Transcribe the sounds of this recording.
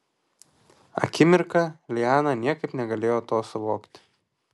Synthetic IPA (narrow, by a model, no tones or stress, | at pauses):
ɐ̰kʲɪmʲɪɾkɐlʲɪjɑːnɐnʲiɛkɐɪpnʲɛɡɐlʲeːjoːt̪oːsʊʋoːkt̪ʲ